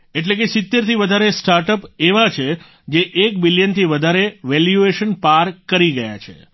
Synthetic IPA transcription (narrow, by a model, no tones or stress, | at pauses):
eʈ̬lekesɪt̪ːeɾt̪iʋəd̪ʱaɾesʈaɾʈəpeʋat͡ʃʰe | d͡ʒeʔekbilijənt̪ʰiʋəd̪ʱaɾeʋɛljueʃənpaɾkəɾiɡəja̰t͡ʃʰḛ